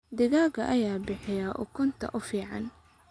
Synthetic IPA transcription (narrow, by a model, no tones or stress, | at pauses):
d̪ɪɣaːɡɐʔɐjaːbɪħɪjɐʔʊkʰʊnt̪ʰɐ̰ʔʊfiːʕɑn